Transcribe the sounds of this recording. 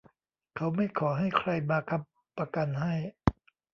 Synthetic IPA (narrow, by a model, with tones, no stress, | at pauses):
kʰa˦˥wma˥˩jkʰɔː˩˦ɦa˥˩jkʰɾa˧jmaː˧kʰa˧˥m | pːa˧ka˧nɦa˥˩j